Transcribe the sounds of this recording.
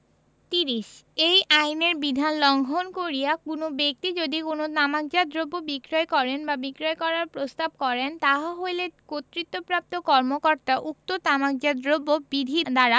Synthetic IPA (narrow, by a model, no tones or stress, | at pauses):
t̪iɾiʃejʔajneɾbid̪ʱanlɔŋɡʱonkoɾijakunobek̚t̪id͡ʑod̪ikonot̪amak̚d͡ʑad̪ɾobːobikɾɔekɔɾenbabikɾoekɔɾaɾpɾost̪ab̚kɔɾent̪aɦaɦojlekot̪ːɾit̪ːopɾap̚t̪okɔɾmokɔɾt̪aʔuk̚t̪ot̪amak̚d͡ʑad̪ɾobːobid̪ʱid̪aɾa